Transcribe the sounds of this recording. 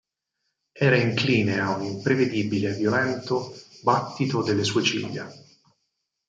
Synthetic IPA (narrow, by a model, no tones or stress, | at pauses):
ɛːɾaiŋkliːneaunimpɾeved̪ibilevjolɛnt̪obat̪ːit̪od̪elːesuːet͡ʃḭʎːa̰